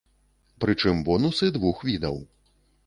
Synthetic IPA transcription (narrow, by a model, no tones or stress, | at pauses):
pɾɨt͡ʂɨmbɔnusɨd̪vuxvʲid̪ɐ̰w